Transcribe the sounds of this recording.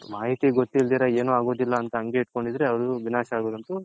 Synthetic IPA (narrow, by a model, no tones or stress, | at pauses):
maːɦit̪iɡot̪ːild̪iːɾɐeːnuaːɡo̞ːd̪ilːɐːnt̪ɐɐŋɡe̞iʈko̞ɳɖid̪ɐɾeɐɐɽuʋinaːʃaːɡoːd̪ɐnt̪u